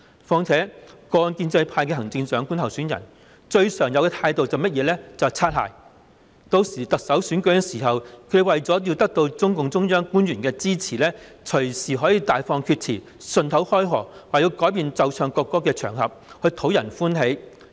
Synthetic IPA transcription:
fɔː˧ŋt͡sʰɛː˨˥kɔː˧nkiː˧nt͡sɐ˧jpʰaː˧jkɛ˧ɦɐ˨˩ŋt͡sɪ˧ŋsœː˨˥ŋku˥ntʰɐ˨˩wsyː˨˥njɐ̰˨˩n | t͡ʃɵ˧ɥsœː˨˩ŋjɐ˧wkɛ˧t̪ʰaː˧jt̪o˨wt͡sɐ˨wmɐ˥t̚jɛː˨˧lɛː˥t͡sɐ˨wt͡sʰaː˥t̚ha̰ː˨˩j | t̪o˧wsiː˨˩t̪ɐ˨k̚sɐ˨˥wsyː˨˥nkɵ˨˥ɛ˧siː˨˩ɦɐ˨˩wkʰɵ˨˧wɐ˨jt͡sɔː˨˥ji˧wt̪ɐ˥k̚t̪o˧wt͡sʊ˥ŋkʊ˨ŋt͡sʊ˥ŋjœː˥ŋkuː˥njyː˨˩nkɛː˧t͡siː˥t͡sʰiː˨˩lɛː˥ | t͡ʃʰɵ˨˩ɥsiː˨˩ɦɔː˨˥jiː˧t̪aː˨jfɔː˧ŋkʰyː˧t̚t͡sʰiː˨˩ | sɵ˧nt̪ʰɐ˨˥whɔː˥jɦɔ̰ː˨˩waː˨ji˧wkɔː˨˥jp̬iː˧nt͡sɐ˧wt͡sʰœː˨˧ŋkɔː˧kːɔː˥kːɛː˧t͡ʃʰœː˨˩ŋɦɐ˨p̚hɵ˧ɥt̪ʰo˨˥wjɐ˨˩nfuː˥nɦe˨˥j

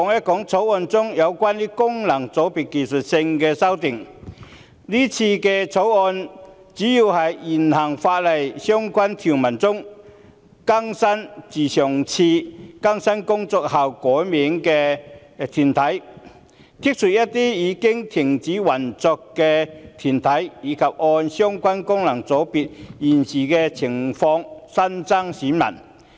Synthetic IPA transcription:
ɔ˨˧ŋjɐ˥t̚kɔː˨˥ŋt͡sʰo˨˥wɔː˧nt͡sʊ˥ŋjɐ˨˧wkʷaː˥niː˥kʊ˥ŋlɐ˨˩ŋt͡so˨˥wpiː˨t̚ki˨˩nsɵ˨t̚sɪ˧ŋkɛː˧sɐ˥wt̪ɪ˨ŋ | liː˥t͡sʰiː˧kɛ˧t͡sʰo˨˥wɔː˧n | t͡siː˨˥jiː˧whɐ˨jiː˨˩nhɐ˨˩ŋfaː˧t̚lɐ˨jsœː˥ŋkʷɐ˥nt̪ʰyː˨˩nmɐ˨˩nt͡sʊ˥ŋ | kɐ˥ŋsɐ˥nt͡siː˨˩sœː˨˩ŋt͡sʰiː˧kɐ˥ŋsɐ˥nkʊ˥ŋt͡sɔː˧k̚hɐ˨wkɔː˨˥jmiː˨˥ŋkɛː˧ | t̪ʰyː˨˩nt̪ʰɐ˨˥j | t̪ʰi˥k̚sʰy˨t̚jɐ˥t̚t̪iː˥jiː˨˧kɪ˥ŋt̪ʰɪ˨˩ŋt͡siː˨˥wɐ˨˩nt͡sɔ˧kːɛ˧t̪ʰyː˨˩nt̪ʰɐ˨˥jjiː˨˧kʰɐ˨p̚ʔɔː˧nsœː˥ŋkʷɐ˥nkʊ˥ŋlɐ˨˩ŋt͡so˨˥wpiː˨t̚jiː˨˩nsiː˨˩kɛ˧t͡sʰɪ˨˩ŋfɔː˧ŋsɐ˥nt͡sa˥ŋsiː˨˥nmɐ̰˨˩n

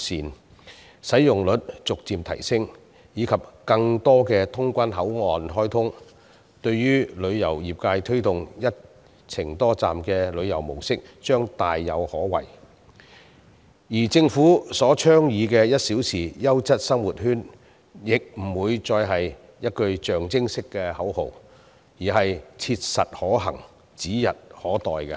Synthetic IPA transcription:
siː˨˩n | sɐ˨˥jjʊ˨ŋlɵ˨˥t̚t͡sʊ˨k̚t͡siː˧mt̪ʰɐ̰˨˩jsɪ˥ŋ | jiː˨˧kʰɐ˨p̚kɐ˧ŋt̪ɔː˥kɛː˧t̪ʰʊ˥ŋkʷɐ˥nɦɐ˨˥wŋɔː˨nɦɔː˥jt̪ʰʊ˥ŋ | t̪ɵ˧ɥjyː˥lɵ˨˧ɥjɐ˨˩wjiː˨˩p̚kaː˧jt̪ʰɵ˥ɥt̪ʊ˨ŋjɐ˥t̚ | t͡sʰɪ˨˩ŋt̪ɔː˥t͡sa̰ː˨mkɛː˧lɵ˨˧ɥjɐ˨˩wmo̰˨˩wsɪ˥k̚t͡ʃœː˥ŋt̪aː˨jːɐ˨˧whɔː˨˥wɐ̰˨˩j | jiː˨˩t͡sɪ˧ŋfuː˨˥sɔː˨˥t͡ʃʰœː˥ŋjiː˨˧kɛː˧jɐ˥t̚siː˨˥wsʰiː˨˩jɐ˥wt͡sɐ˥t̚sɐ˥mwu˨t̚hyː˥n | jɪ˨k̚m̩˨˩wuː˨˧jt͡sɔː˧jɦɐ˨j | jɐ˥t̚kɵ˧ɥt͡ʃœː˨ŋt͡sɪ˥ŋsɪ˥kːɛː˧hɐ˨˥who˨˩w | jiː˨˩ɦɐ˨jt͡sʰiː˧t̚sɐ˨t̚hɔː˨˥ɦɐ̰˨˩ŋ | t͡siː˨˥jɐ˨t̚hɔː˨˥t̪ɔː˨jkɛ˧

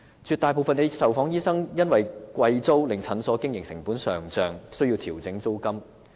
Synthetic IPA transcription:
t͡ʃyː˨˧t̪aː˨˩jpo˨˧wfɐ˨ne˨˧sɐ˨wfɔː˨˥ŋjiː˥sɐ˥ŋjɐ˥nwɐ˨jkʷɐ˧jt͡so˥wlɪ˨ŋt͡sʰɐ˨˥nsɔː˨˥kɪ˥ŋjɪ˨ŋsɪ̰˨˩ŋpuː˨˥nsœː˨˩ŋt͡sœː˨ŋsɵ˥ɥjiː˧wt̪ʰiː˨˩wt͡sɪ˨˥ŋt͡so˥wkɐ˥m

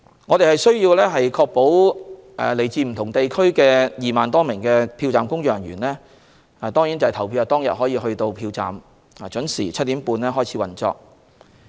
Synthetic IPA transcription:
ŋɔː˨˧t̪e˨jhɐ˨jsɥjiː˧wlɛː˥ɦɐ˨jkʰɔː˧k̚po˨˥wʔɛː˨le˨˩jt͡siː˨˧m̩˨˩t̪ʰʊ˨˩ŋt̪e˨jkʰɵ˥ɥkɛː˧jiː˨maː˨nt̪ɔː˥mɪ˨˩ŋkɛː˧pʰiː˧wt͡saː˨mkʊ˥ŋjœː˨˩ŋɥyː˨˩nlɛː˥ | a˨t̪ɔː˥ŋjiː˨˥nt͡sɐ˨t̪ʰɐ˨˩wpʰiː˧wa˨˩t̪ɔː˥ŋjɐ̰˨t̚ɦɔː˨˥jiː˧ɦɵ˧ɥt̪o˧wpʰiː˧wt͡sa̰ː˨m | aː˨˩t͡ʃɵ˨˥nsiː˨˩t͡sʰt̚t̪iː˨˥mpuː˧nlɛː˥ɦɔː˥˩jt͡sʰi˨˧˥wɐ˨˩nt͡sɔ̰ː˧k̚

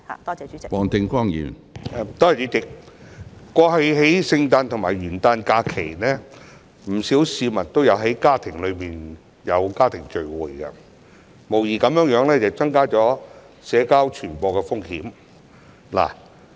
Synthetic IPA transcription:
wɔː˨ŋt̪ɪ˧ŋkɔː˥ŋjḭː˨˩n | ɛ˨˧t̪ɔː˥˨t͡ʃyː˨˧˥t͡sɪ˨k̚ | kʷɔː˧ɦɐ˨˧jɦe˨˥jsɪ˧ŋt̪aː˧nt̪ʰʊ˨˩ŋmaː˨˩jɥyː˨˩nt̪aː˧nkaː˧kʰḛ˨˩jnɛː˥ | m̩˨˩si˨˥wsiː˧mɐ˨t̚t̪o˥wjɐ˨˧wɦɐ˨˥jkaː˥t̪ʰɪ˨˩ŋlɵ˨˧ɥmiː˨n | jɐ˨˧wkaː˥t̪ʰɪ˨˩ŋt͡ʃɵ˨ɥwuː˨jkɐ̰˧ | mo˨˩wjiː˨kɐ˨˧mjœː˨˥ŋjœː˨˥ŋlɛː˥t͡sɐ˨wt͡sɐ˥ŋkaː˥t͡sɔː˨˥ | sɛː˨˧˥kaː˥wt͡ʃʰyː˨˩npɔː˨˧kɛ˧fʊ˥ŋhiː˨˥m | la̰ː˨˩

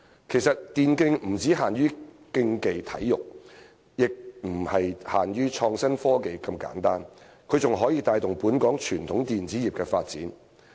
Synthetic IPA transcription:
kʰe˨˩jsɐ˨t̚t̪iː˨nkɪ˧ŋm̩˨˩t͡siː˨˥ɦaː˨nɥyː˥ | kɪ˧ŋke˨jt̪ʰɐ̰˨˥jːʊ˨k̚ | jɪ˨k̚m̩˨˩hɐ˨jhaː˨˩nɥyː˥t͡ʃʰɔː˧ŋsɐ˥nfɔː˥ke˨jkɐ˧mka̰ː˨˥nt̪aː˥n | kʰɵ˨˧ɥt͡sʊ˨ŋɦɔː˨˥jiː˧t̪aː˧jt̪ʊ˨˩ŋpuː˨˥nkɔː˨˥ŋt͡ʃʰyː˨˩nt̪ʰʊ˨˥ŋt̪iː˨nt͡siː˨˥jiː˨p̚kɛː˧faː˧t̚t͡siː˨˥n

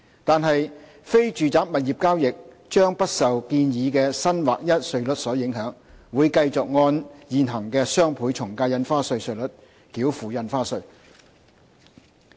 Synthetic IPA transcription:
t̪aː˨nɦɐ˨j | fe˥jt͡ʃyː˨t͡saː˨˥p̚mɐ˨t̚jiː˨p̚kaː˥wjɪ˨k̚ | t͡ʃœː˥ŋpɐ˥t̚sɐ˨wkiː˧njiː˨˧kɛː˧sɐ˥nwaː˨k̚jɐ˥t̚sɵ˧ɥlɵ˨˥t̚sɔː˨˥jɪ˨˥ŋɦœː˨˥ŋwuː˨˧jkɐ˧jt͡sʊ˨k̚ŋɔː˧njiː˨nɦɐ˨˩ŋkɛː˧sœː˥ŋpʰuː˨˥jt͡sʰʊ˨˩ŋkaː˧jɐ˧nfaː˥sɵ˧ɥsɵ˧ɥlɵ˨˥t̚ | kiː˨˥wfuː˨jɐ˧nfaː˥sɵ˧ɥ

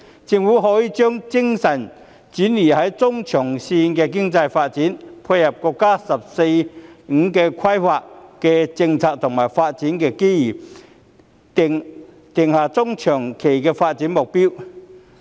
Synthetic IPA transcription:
t͡sɪ˧ŋwuː˨˥ɦɔː˨˥jiː˧t͡ʃœː˥ŋt͡sɪ˥ŋsɐ˨˩n | t͡syː˨˥nliː˨˩hɐ˨˥jt͡sʊ˥ŋt͡ʃʰœː˨˩ŋsiː˧nkɛː˧k̬ɪ˥ŋt͡sɐ˧jfaː˧t̚t͡siː˨˥npʰʊ˧tjɐ˨˩p̚kɔː˧kːaː˥sɐ˨p̚se˧jŋ̩˨˧˥kɛː˧kʰwɐ˥jfaː˧k̚kɛː˧t͡sɪ˧ŋt͡sʰaː˧k̚t̪ʰʊ˨˩ŋmaː˨˩jfaː˧t̚t͡siː˨˥nkɛː˧kiː˥jiː˨˩˨ | ŋ | t̪ɪ˨˩ŋhaː˨˧˩t͡sʊ˥ŋt͡ʃʰœː˨˩ŋkʰe˨˩jkɛː˧faː˧t̚t͡si˨˥nmʊ˨k̚pi˥w

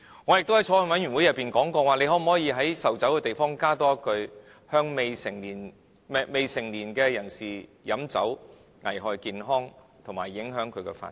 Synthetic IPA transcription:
ŋɔː˨˧jk̚t̪whɐ˨˥jt͡ʃʰɔː˧˥wɔ˨˩nwɐ˨˥njy˨˩nwu˨˥jɐ˨pːiː˨nkɔː˨˥ŋkɔː˧waː˨ne˧jɦɔː˨˥m̩˨˩hɔː˨˥jiː˧ɦɐ˨˥jsɐ˨wt͡sɐ˨˥wkɛː˧t̪e˨jfɔː˥ŋkaː˥t̪ɔː˥kɵ˨˧ɥ | hœː˥ŋme˨˧jsɪ˨˩ŋiː˨˩n | me˨˧jsɪ˨˩ŋliː˨˩nkɛː˧jɐ˨˩nsiː˨jɐ˨˥mt͡sɐ̰˨˥w | ŋɐ̰˨˩jɦɔː˨jkiː˨nɦɔː˥ŋ | t̪ʰʊ˨˩ŋmaː˨˩jːɪ˨˥ŋɦœː˨˥ŋkʰɵ˨˧ɥkɛ̰ː˧fa̰ː˧˨

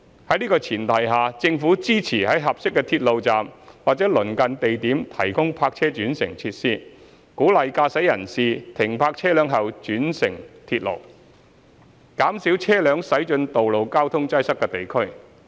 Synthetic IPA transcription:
hɐ˨˥jniː˥kɔː˧t͡sʰiː˨˩nt̪ʰɐ˨˩jɦaː˨t͡sɪ˧ŋfuː˨˥t͡siː˥t͡sʰiː˨˩hɐ˨˥jɦɐ˨p̚sɪ˥kːɛː˧t̪ʰiː˧t̚lo˨wt͡saː˨mwaː˨˩t͡sɛː˨˥lɵ˨˩nkɐ˨nt̪e˨jt̪iː˨˥mt̪ʰɐ˨˩jkʊ˥ŋpʰaː˧k̚t͡sʰɛː˥t͡ʃyː˨˥nsɪ̰˨˩ŋt͡sʰi˧t̚siː˥ | kuː˨˥lɐ˨jkaː˧sɐ˨˥jɐ˨˩nsiː˨t̪ʰɪ˨˩ŋpʰaː˧k̚t͡sʰɛː˥lœː˨˥ŋɦɐ˨wt͡ʃyː˨˥nsɪ˨˩ŋt̪ʰiː˧t̚lo̰˨˩w | kaː˨˥msiː˨˥wt͡sʰɛː˥lœː˨˧ŋsɐ˨˥jt͡ʃɵ˧nt̪o˨wlo˨wkaː˥wt̪ʰʊ˥ŋt͡sɐ˥jsɐ˥kːɛ˧t̪e˨jkʰɵ˥ɥ

